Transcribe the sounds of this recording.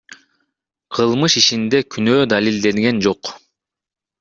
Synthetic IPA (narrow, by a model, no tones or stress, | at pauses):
qʰɯlˠmɯʃit͡ʃind̪e̞kʰynøːd̪alʲild̪e̞ŋɡe̞nd͡ʒo̞q